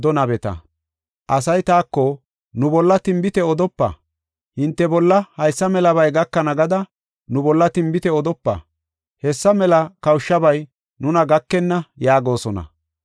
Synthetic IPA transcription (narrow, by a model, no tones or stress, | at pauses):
d̪ɔnɐbɛt̪ɐ̰ | ʔɐs̬ɐjt̪aːkːɔ | nʊbɔlːɐt̪ɪmbɪt̪ɛɔd̪ɔpːɐ̰ | hɪnt̪ːɛbɔlːɐhɐjsːɐmɛlɐbɐjɡɐkːɐnɐɡɐd̪ɐ | nʊbɔlːɐt̪ɪmbɪt̪ɛɔd̪ɔpːɐ̰ | hɛsːɐmɛlɐkɐwʃːɐbɐj | nʊnɐɡɐkːɛnːɐjaːɡo̞ːsɔnɐ̰